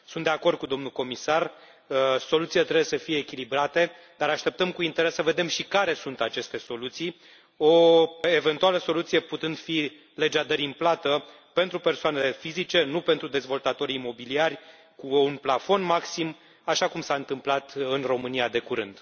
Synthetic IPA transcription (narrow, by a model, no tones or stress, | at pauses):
sunt̪d̪eako̞rd̪̚kud̪o̞mnuko̞misar | so̞lut̪silet̪ɾe̞bujesəfije̞ːkʲilibɾat̪e̞ | d̪̥aɾaʃt̪e̞p̚t̪əmkuint̪eɾe̞səve̞d̪e̞mʃikaɾe̞sunt̪at͡ʃe̞st̪e̞so̞lut̪sij | oeve̞nt̪ualəso̞lut̪sijeput̪ɨnd̪fi | le̞d͡ʒad̪əɾʲimplat̪ə | pe̞nt̪ɾupe̞rsoane̞le̞fizit͡ʃe̞nupe̞nt̪ɾud̪e̞zvo̞lt̪at̪o̞ɾiːmo̞biliarʲ | kuːnplafo̞nmaksim | aʃakumsaɨnt̪ɨmplat̪ɨnro̞mɨniad̪e̞kuɾɨnd̪̥